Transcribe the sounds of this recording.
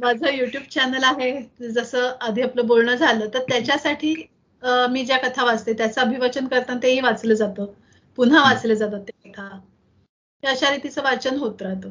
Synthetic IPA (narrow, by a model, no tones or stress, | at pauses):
mad͡zʱəjuʈjuːbt͡ɕænəlaɦed͡zəsəːəd̪ʱiapləːbolɳəd͡zʱaləːt̪əɾt̪jat͡ɕjasaʈʰiː | miːd͡ʑjakət̪ʰaʋad͡zt̪et̪jat͡səəbʱiʋət͡ɕənkəɾt̪ant̪eɦiːʋat͡sləːd͡zat̪əː | pun̤aʋat͡sləːd͡zat̪̬ət̪ːakət̪ʰa | ɦiəɕaɾit̪it͡səːʋaɾt͡ɕənɦot̪ɾat̪